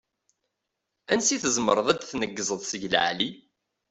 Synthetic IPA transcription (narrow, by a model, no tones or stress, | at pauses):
ænsiθəzməɾˤəðˤæd̪θnəɡːəzˤəðˤsəʝl̰ʕli